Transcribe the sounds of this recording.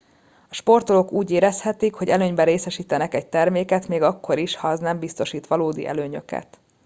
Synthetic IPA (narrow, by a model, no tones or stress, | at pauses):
ɒʃpo̞rt̪olo̞kuːɟeːɾɛshɛt̪ikho̞ɟɛløːɲbɛɾeːsɛʃiːt̪ɛnɛkɛc̚t̪ɛrmeːkɛt̪meːɡɒkːo̞ɾiʃhɒɛznɛmbist̪o̞ʃiːt̪ʋɒloːd̪ḭʔɛ̰løːɲø̞̰kɛ̰t̪